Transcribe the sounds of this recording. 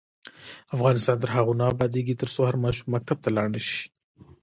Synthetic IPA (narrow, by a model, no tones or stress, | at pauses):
afɣɑnɪst̪ɑːnt̪əɾɦaɣunɑːbɑd̪eɡit̪əɾsohaɾmɑʃumːak̚t̪ab̚t̪alɑɽnəʃi̥